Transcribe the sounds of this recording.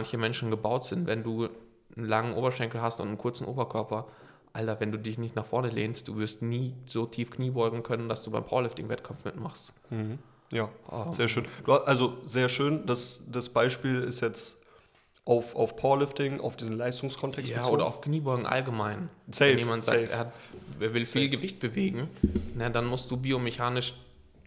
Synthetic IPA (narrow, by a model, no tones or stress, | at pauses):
ançəmɛnʃn̩ɡəbaʊtz̥ɪntvɛnduː | nlaŋənʔoːbɐʃɛŋkl̩ɦastʊntn̩kʰʊɐt͡sn̩ʔoːbɐkʰœɐpɐ | ʔaltɐvɛnduːdɪçnɪçtnaχfɔɐnəleːnst̚d̥uːvɪɐstniːz̥oːtʰiːfkʰniːbɔʏɡŋ̩kʰœnəndasd̥uːbaɪmpʰaʊɐlɪftɪŋvɛtkʰamp͡ffmɪtmaχst̩ | h̩ | jaːʔɛzeːɐʃøːnd̥uːaʔalzozeːɐʃøːndasd̥asb̥aɪʃpiːlɪstjɛt͡st | ʔaʊfʔaʊfpʰaʊɐlʏftɪŋʔa̰ʊfd̥iːzn̩laɪstʊŋskʰɔntʰɛkstjaːʔoːdɐʔa̰ʊfkniːbɔʏɡŋ̩ʔa̰lɡəmaɪnsɛɛjeːmantzaːkːtʔḛːeːɐvɪlfiːlɡəvɪçt̚b̥əveːɡŋ̩nədanmʊst̚d̥uːbiːomeçaːnɪʃ